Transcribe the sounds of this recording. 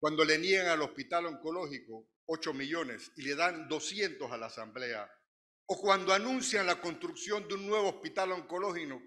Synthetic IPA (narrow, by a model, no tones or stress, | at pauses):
kwand̪o̞le̞nieŋalo̞spit̪aloŋko̞lo̞hiko | o̞t͡ʃo̞miʝo̞ne̞sile̞ðand̪o̞sje̞nt̪o̞salasamble̞a̰ | okwand̪oanũnsjanlako̞nst̪ɾuksjo̞nd̪eunnːwe̞βoːspit̪aloŋko̞lo̞hino